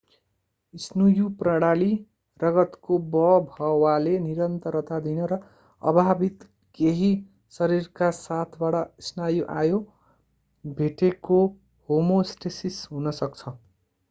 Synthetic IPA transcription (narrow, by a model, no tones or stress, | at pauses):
isnujuprʌɽ̃ali | rʌɡʌt̪kobʌbʱʌwaleniɾʌnt̪ʌɾʌt̪ad̪inʌɾʌ | ʌ̰bʱabit̪ | keɦi | sʌɾirkasat̪ʰbaɽʌisnajoʔajo | bʱeʈeko | homosʈesisɦunʌsʌkt͡sʰʌ